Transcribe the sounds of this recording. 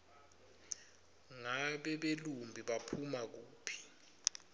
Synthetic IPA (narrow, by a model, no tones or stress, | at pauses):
ŋaɓɛɓelumbʱiɓapʰumak̬uːpʰi̥